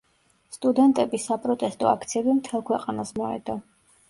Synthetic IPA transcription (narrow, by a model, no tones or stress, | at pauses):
st̪ʼud̪ɛnt̪ʼɛbisapʼɾɔt̪ʼɛst̪ʼɔak̚ʰt̪sʰiɛbimt̪ʰɛlˠkʰwɛqʼanasmɔɛ̰d̪ɔ